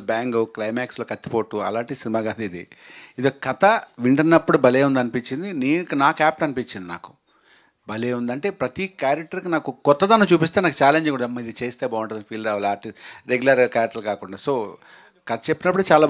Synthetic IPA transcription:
baːŋɡuklɐjmaːksloːkɐt̪ːi̥po̞ːʈːuɐ̰laːɳʈiisinimaːɡaːd̪id̪ḭid̪oːkɐt̪ɐʋiɳʈɐɾnɐpːuɽubɐleːund̪ɐnipiɲt͡ʃːind̪iniːkunaːkaːp̚ʈɐnipit͡ʃind̪ina̰ːku̥ | bɐleːund̪ɐɳʈe̞ːpɾɐt̪ikaːɾɐk̚ʈɐɾkinaːkukɔt̪ːɐd̪aːnːɐt͡ʃuːpist̪eːnaːkut͡ʃaːleɲd͡ʒeɡuɽɐd̪ɐmːɐid̪it͡ʃeːst̪eːbaːʋuɳʈːɐd̪ɐnpʰiːlɾaːʋaːliaːɾʈisɾeɡulɐɾɡakaːɾk̚ʈɐlkaːkuɳɖaːso̞ː | kɐt̪ɐt͡ʃe̞pːinɐpːuɽut͡ʃaːlaː

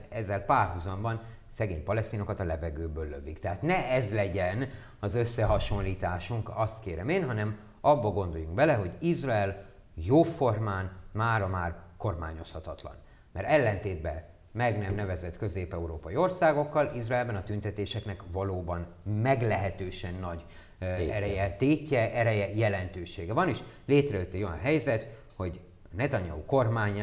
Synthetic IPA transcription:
ɛzːɛlpaːrɦuzɒmbɒn | sɛɡḛːɲpɒlɛst̪iːno̞kɒt̪ɒlɛvɛɡøːbøːlːø̰vikt̪ɛɦaːt̪nɛɛzlɛɟɛn | ɒzø̞sːɛɦɒʃo̞nliːt̪aːʃuŋkɒst̪keːɾɛmeːnɦɒnɛm | ɒbːɒɡo̞nd̪o̞juŋɡbɛlɛɦo̞ɟizrɒɛl | joːfo̞rmaːnmaːɾɒmaːrko̞rma̰ːɲo̞shɒt̪ɒt̪lɒ̰n | mɛɾɛlːɛnt̪eːd̪̚bɛ | mɛɡnɛmnɛvɛzɛt̪kø̞zeːpɛuɾoːpɒjio̞rsaːɡo̞kːɒlizraɛlbɛnɒt̪ynt̪ɛt̪eːʃɛknɛkvɒloːbɒn | mɛɡlɛɦɛt̪øːʃɛnːɒɟ | ɛɾɛjɛt̪eːcːɛʔɛɾɛjɛjɛlɛnt̪øːʃeːɡɛvɒneːʃleːt̪rɛjøt̪ːɛɟo̞jɒ̰nɦɛjzɛt̪ | ho̞ɟ | nɛt̪ɒɲɒ̰uko̞rmaːɲ

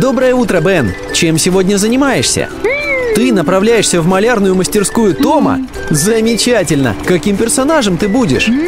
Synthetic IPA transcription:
d̪o̞bɾəjəut̪ɾəbɛn | t͡ɕemsʲɪvo̞dʲnʲəzənʲɪmajɪʂsʲə̰t̪ɨnəpɾɐvlʲæjɪʂsʲəvmɐlʲarnʊjʊməsʲtʲɪrskujʊt̪o̞mə̰ | zəmʲɪt͡ɕætʲɪlʲnə̰kɐkʲimpʲɪrsɐnaʐɨmt̪ɨbudʲɪ̰ʂ

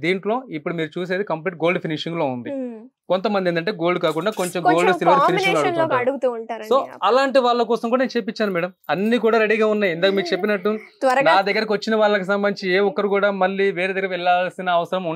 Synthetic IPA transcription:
d̪iːɳʈlo̞ːipːuɽumiːɾut͡ʃuːs̬e̞ːd̪ikɐmpliːʈ̚ɡo̞ːlɖpʰiniʂiŋɡlo̞ːund̪i | kont̪ɐmɐnd̪iend̪ɐɳʈe̞ːɡo̞ːlɖukaːkuɳɖaːko̞ɲt͡ʃemɡo̞ːlɖsilʋaːɾiniʃiŋɡloɐɽɡ̪ɐɽuɡut̪uɳaːɾso̞ːɐlaːɳʈ̬iʋaːɭːɐk̬ɔːsɐmk̬uɽaneːnt͡ʃeːpit͡ʃːaːnumɛːɽɐmɐnːiːk̬uːɽaːɾeɽiːɡaːunːaːjind̪aːkɐmiːɾut͡ʃepːinɐʈːut̪ɐɾɐnaːd̪ɐɡːɐɾɐk̬ʋɐt͡ʃːinɐʋaːɭːɐkus̬ɐmbɐnd̪it͡ʃieːɔkːɐɾikuːɽaːmɐlːiʋeːɾed̪ɐɡːɐɾɐʋɛɭːaːlsinɐːʋɐsɐɾɐmu

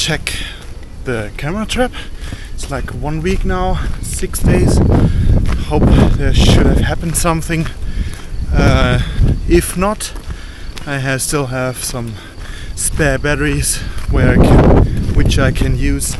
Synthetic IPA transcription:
t͡ʃʰɛk | ðɨkʰæmə˞ɨtʰɹ̥æpɪtslaɪkwʌ̃nwiknaʊsɪksd̥eɪz̥ | hoʊpðə˞ʃʊɾɨv̥hæpn̩d̥sʌ̃mθɪ̃ŋ | ʌ | ɪfnəɾ | aɪɨv̥stɪlˠɨv̥sʌ̃m | spɛɹbæɾə˞iz̥wə˞aɪkʰɨ̃nwɨt͡ʃaɪkʰɨ̃njʉz̥

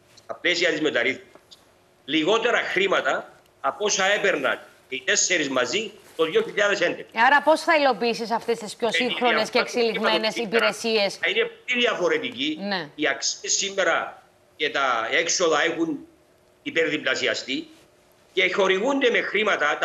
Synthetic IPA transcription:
st̪ɐplesiɐt̪izmet̪ɐɾiθmisis | liɣo̞t̪eɾɐxɾimɐt̪ɐ | ɐpo̞sɐepeɾnɐ̰nceit̪esːeɾizmɐzit̪oðjoçiʎːaðesend̪ekɐaɾɐpo̞sθɐilo̞piːsis̬ɐft̪est̪ispçosiŋxɾonesceeksiliɣmmene̞sipiɾe̞sie̞sɐinepoliðiɐfo̞ɾet̪icineiɐksiesːimːeɾɐ | cet̪ɐekso̞ðɐexun | ipeɾðiplɐsiɐst̪i | ceço̞ɾiɣund̪emexɾimɐt̪ɐt̪

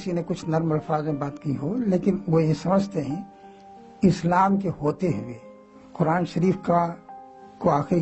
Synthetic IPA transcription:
sinekʊt͡ʃʰnɐɾməlfaːzmẽbaːt̪kiɦoleːkɪnʋojesɐməd͡ʒʱt̪eɦɛ̃ | ɪslaːmkeɦoːt̪eɦʊeː | qʊɾaːnʃɐɾiːfka | koaːxɾi

